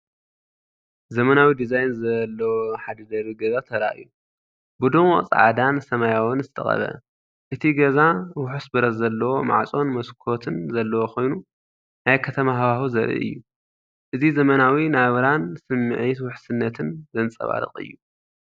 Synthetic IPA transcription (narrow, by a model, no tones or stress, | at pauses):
zɐmɐnawid̪izajnzɐlːɐwoħad̪ɐd̪ɐβiɡɐzat̪ʰɐɾa̰ʔɨ̰ju | bud̪unwɔ̰t͡sʼa̰ʕa̰d̪ansɐmajawonzɨt̪ʰɐ̰χʼɐ̰βɐ̰ | ʔɨt̪ʰiɡɐzawʊħusbɨɾɐzɐlːɐwo̞ma̰ʕt͡sʼo̞nmɐskʰo̞t̪ʰɨnzɐlːɐwo̞kʰo̞jnu | najkʰɐt̪ʰɐmaɦɐβahuzɐɾʔɨ̰ʔɨ̰jːu | ʔɨzizɐmɐnawinaβɐɾansɨmːɨʕit̪wʊħsɨnːɐt̪ʰɨnzɐnt͡sʼɐ̰βa̰ɾɨ̰χʼɨ̰jːu